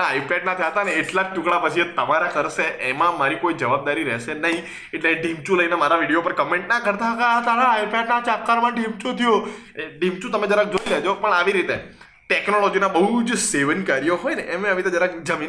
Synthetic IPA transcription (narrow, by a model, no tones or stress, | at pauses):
aipɛɖnat̪ʰiɦət̪aneeʈlaʈũkɽapət͡ʃʰit̪əmaɾakʰəɾseʔemãmaɾikoid͡ʒəʋab̚d̪aɾiɾɛ̰ʃenəɦĩ | eʈleɖimt͡ʃũləinamaɾaʋiɽijopəɾkəmẽɳʈnakəɾt̪aɦkat̪aɾaːipɛɖnat͡ʃap̚kaɾmãɖimt͡ʃot̪ʰijo | eɖimt͡ʃũt̪əmed͡ʒəɾãk̚d͡ʒot̪ed͡ʒopəɳaʋiɾit̪e | ʈɛknolɔd͡ʒinabəɦud͡ʒseʋənkaɾijoɦɔjneʔemẽaʋit̪ed͡ʒəɾãkd͡ʒəmin